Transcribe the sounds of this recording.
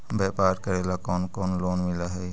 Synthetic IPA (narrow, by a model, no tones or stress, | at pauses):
bepaːɾkəɾelakɔːnkoːnloːnmilaɦɛj